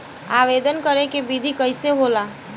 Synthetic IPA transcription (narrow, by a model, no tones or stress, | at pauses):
aːʋeːd̪ənkəɾekebid̪ʱikəɪseɦoːlaː